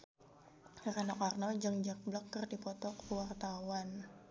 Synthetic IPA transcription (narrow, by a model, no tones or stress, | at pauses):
ranɔkarnɔd͡ʒəŋd͡ʒək̚blakːərdipɔt̪ɔkwart̪awan